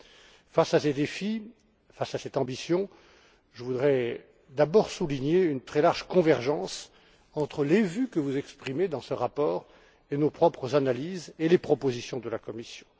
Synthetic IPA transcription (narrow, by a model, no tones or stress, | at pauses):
fasased̪efi | fasasɛt̪ɑ̃bisjɔ̃ | ʒəvud̪ʁɛ | d̪abɔʁsuliɲeynt̪χɛlaʁʒkɔ̃vɛʁʒɑ̃s | ɑ̃t̪χəlevykəvuzɛkspχimed̪ɑ̃səʁapɔːʁ | enopχɔpχəzanalizelepχɔpozisjɔ̃d̪əlakɔmisjɔ̥̃